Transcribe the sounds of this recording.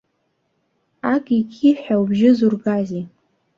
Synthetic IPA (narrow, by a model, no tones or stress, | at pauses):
akʼikʲʰiħʷawbʒɪzurɡazi